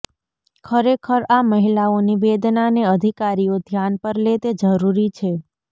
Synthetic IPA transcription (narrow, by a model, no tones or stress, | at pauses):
kʰəɾekʰəɾaməɦilaoniʋed̪naneəd̪ʱikaɾiod̪ʱjanpəɾlet̪ed͡ʒəɾuɾit͡ʃʰe